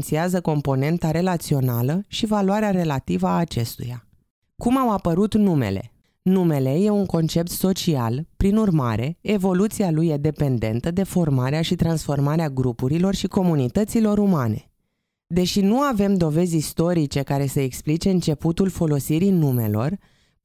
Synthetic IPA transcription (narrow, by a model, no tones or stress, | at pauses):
nt̪siazəko̞mpo̞ne̞nt̪aɾe̞lat̪sio̞naləʃivaluaɾeaɾe̞lat̪ivəaːt͡ʃe̞st̪ṵja | kumawapəɾut̪nume̞̰le̞̰ | nume̞le̞je̞uŋko̞nt͡ʃe̞p̚t̪so̞t͡ʃia̰lpɾinurma̰ɾe̞evo̞lut̪sialujed̪e̞pe̞nd̪e̞nt̪əd̪e̞fo̞rmaɾeaʃit̪ɾansfo̞rmaɾeaɡɾupuɾilo̞rʃiko̞munit̪ət̪silo̞ɾumane̞̰ | d̪e̞ʃinuave̞md̪o̞ve̞zʲist̪o̞ɾit͡ʃe̞kaɾe̞seeksplit͡ʃe̞ɨnt͡ʃe̞put̪ulfo̞lo̞siɾinume̞̰lo̞̰r